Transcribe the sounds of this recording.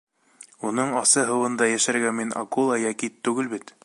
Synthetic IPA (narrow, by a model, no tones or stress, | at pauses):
unɤɴɑsɤɦɤ̆wɤ̆nd̪ɑjæʃæɾɡæmːinʔɑ̰ɡulˠɑjækit̪ːʉɡɘlbit̪